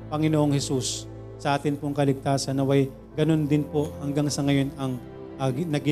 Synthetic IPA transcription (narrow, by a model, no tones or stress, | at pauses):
pɐŋɪnoʔoŋhɛsus | sɐʔaːt̪ɪnpoŋkɐlɪɡ̚t̪aːsɐnːɐwɐj | ɡɐno̞nd̪ɪnpoʔhɐŋɡaŋsɐŋɐjo̞nɐŋ | ʔɐɡnɐɡɪ